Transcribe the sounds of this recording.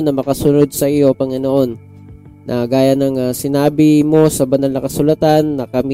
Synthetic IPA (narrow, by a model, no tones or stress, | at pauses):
nɐmɐkɐsʊnod̪̚sɐʔijo̞pɐŋɪno̞ʔo̞nː | ʔɐɡaːjɐnɐŋasɪnaːbɪmo̞sɐbɐnalnɐkɐsʊlɐt̪anːɐkɐmi